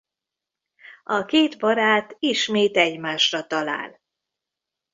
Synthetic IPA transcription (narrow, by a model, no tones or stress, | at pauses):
ɒkeːd̪bɒɾaːt̪iʃmeːt̪ɛɟmaːʃrɒt̪ɒla̰ːl